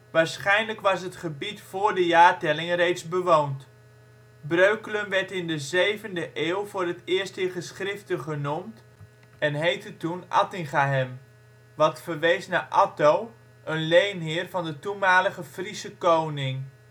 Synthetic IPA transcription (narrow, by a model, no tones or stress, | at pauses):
ʋaːɹsχɛjnləkʋɑsɦətχəbitfʊːɹdəjaːɹtɛlɪŋrejtsbəʋownt | brøɥkləmʋɛɹtɪndəzejvəndəʔeːlˠvʊːrɦətɪːɹstɪχəsχrɪftəχənumt | ɛnɦejtətunʔɑ̰tɪŋχaɦɛm | ʋɑtfəɹʋejsnaʔɑtow | ʔənlejnɦɪːrvɑndətumaːləχəfrisəkownɪŋ